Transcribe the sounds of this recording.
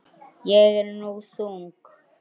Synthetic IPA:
jɛk̬ɛnnok̬usuːŋku

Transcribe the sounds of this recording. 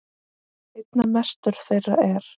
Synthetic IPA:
ejt̪namɛst̪ʏɾ̥θejrːa̰ɛɾ̥

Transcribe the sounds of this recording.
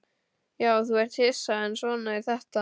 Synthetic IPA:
jaːwθuɛr̥t̪hɪsaɛnsvɔːnaiɾθɛht̪a

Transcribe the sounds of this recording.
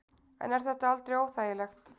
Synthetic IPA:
ɛ̰nɛɾ̥θɛt̪ːaalt̪ɾijoːwθaːjəlɛxt̪

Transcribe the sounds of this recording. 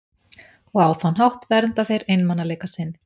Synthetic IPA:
ɔɣawθanɦawht̪vɛɾnt̪aθejɾejnmanːalejkasɪnː

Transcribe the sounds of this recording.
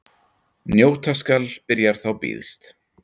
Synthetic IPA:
njoːwt̪ʰaskalpɪɾjaɾ̥θawpḭːðst̪

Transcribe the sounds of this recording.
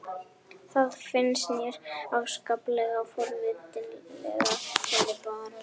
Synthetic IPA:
θaðfɪnsnjɛɾaɣskaplɛɣafɔɾvɪːt̪ɪllɛ̰ɣafɔlɪpaɾa

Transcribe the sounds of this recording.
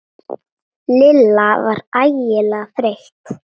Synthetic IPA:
lɪlːava̰ɾaːjɪlaɣfɾeht̪

